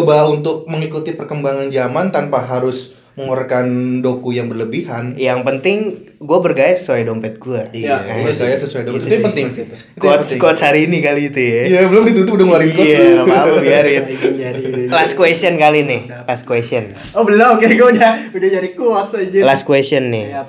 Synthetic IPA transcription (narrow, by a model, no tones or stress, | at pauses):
baunt̪ʊk̚məŋikut̪ipərkəmbaŋand͡ʒamant̪anpaɦaɾʊs | məŋoɾakandokujaŋbərləbiɦanjaŋpənt̪ɪŋ | ɡuabərɡajasə̥suwajdompɛt̪̚ɡuaiaabɡajasəsuajdompɛt̪̚pənt̪ɪŋ | kɔt̪skɔt̪shaɾiːnikaliːt̪ujabəlʊmdit̪unt̪upudaŋaɾikiɔaapakbiaɾɪn | laskwesənkalinɪh | laskwɛsɔn | obəlakɛɡad͡ʒaudad͡ʒaɾikuɔt̪̚sad͡ʒalaskwɛsənːɪ